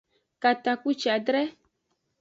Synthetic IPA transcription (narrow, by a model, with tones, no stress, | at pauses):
ka˨t̪a˨ku˦t͡ʃi˨a˨dɾɛ˦